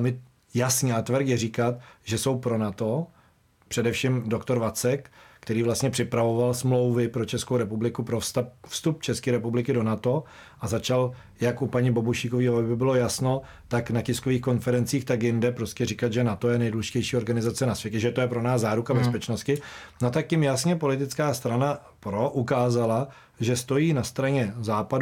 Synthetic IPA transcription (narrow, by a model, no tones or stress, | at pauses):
mɪ | jasɲat̪vɾxjɛriːkat̪̚ʒɛso̞wpɾo̞nat̪o̞ | pr̥ɛdɛfʃimdo̞kt̪o̞ɾvat͡sɛkkt̪ɛɾiːvlast̪ɲɛpr̥ɪpɾavo̞valsmlo̞wvɪpɾot͡ʃɛskowɾɛpublɪkupɾofst̪apfst̪up̚t͡ʃɛskiːɾɛpublɪkɪdo̞nat̪o̞ | ʔazat͡ʃal | jakʔupaɲɪbo̞buʃiːkoviːɦovobɪbɪlo̞jasno | t̪aknacɪskoviːxko̞nfɛɾɛnt͡siːxt̪ak̬jɪndɛpɾo̞scɛrikad̪ʒɛnat̪o̞jɛnɛjduːlɛʒɪcɛjʃiːo̞ɾɡanɪzat͡sɛnasvjɛcɛʒɛt̪ojɛpɾo̞naːzzːaːɾukabɛspɛt͡ʃnost̪̚cɪnot̪akjɪmjasɲɛpo̞lɪt̪ɪt͡skaːst̪ɾana | pɾo̞ʔukaːzala | ʒɛst̪o̞jiːnast̪ɾaɲɛzaːpad